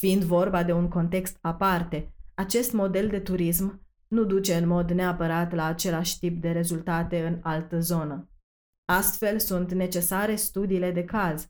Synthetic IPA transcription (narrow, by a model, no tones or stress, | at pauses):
fiind̪vo̞rbad̪e̞uŋko̞nt̪e̞kst̪apart̪e̞at͡ʃe̞st̪mo̞d̪e̞ld̪e̞t̪uɾism | nud̪ut͡ʃe̞ɨnmo̞d̪ne̞apəɾat̪laːt͡ʃe̞laʃʲt̪ip̚d̪e̞ɾe̞zult̪at̪e̞ɨnalt̪əzo̞nə | ast̪fe̞lsunt̪ne̞t͡ʃe̞saɾe̞st̪ud̪iːle̞d̪e̞kaz